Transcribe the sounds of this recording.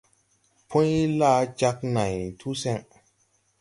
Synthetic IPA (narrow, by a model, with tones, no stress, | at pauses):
pʰõ˦jlaː˦t͡ʃa˦k̚na˨jtʰu˦sɛ˦ŋ